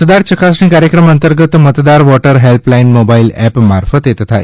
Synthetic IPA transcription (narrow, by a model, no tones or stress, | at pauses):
t̪d̪aɾt͡ɕəkasɳĩːkaɾjəkɾəmənt̪əɾɡət̪mət̪d̪aɾʋɔʈəɾɦelplajinmobailɛpmaɾfət̪et̪t̪ʰa̰